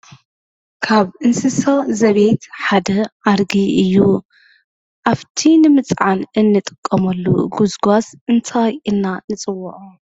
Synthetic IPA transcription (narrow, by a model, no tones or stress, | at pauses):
kʰaβʔɨnsɨsɐzɐβet̪ħad̪ɐʔaɾɡiɨjːu | ʔaβt̪ʰinɨmɨt͡sʼʕanʔɨnːɨt̪ʼɨ̥kʼːɐmɐlːṵɡuzɡasʔɨnt̪ʰajʔɨnːanɨt͡sʼɨwːuʕu